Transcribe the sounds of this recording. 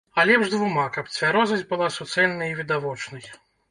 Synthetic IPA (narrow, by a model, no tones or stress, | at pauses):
alʲɛbʐd̪vumakɐp̚t͡sʲvʲaɾɔzɐzʲbɨlˠasut̪sɛlʲnɐjivʲid̪avɔt͡ʂnɐj